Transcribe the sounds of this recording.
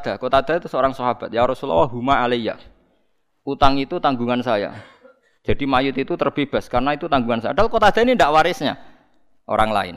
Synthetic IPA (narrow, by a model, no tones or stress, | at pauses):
d̪̥a̤kot̪ad̪̥at̪usəoɾaŋsɔɦab̥at̪̚jaɾɔsulɔ̰waɦumaːleija̰ | ut̪aŋit̪ut̪aŋɡuŋansaja̰ | d͡ʒ̥a̤dimajʊt̪it̪ut̪ərb̥eb̥a̤skarnait̪ut̪aŋɡuŋansajad̥alkot̪ad̪̥a̤inindaʔwaɾɪsɲa̰ | ʔo̰ɾaŋla̰ɪ̰n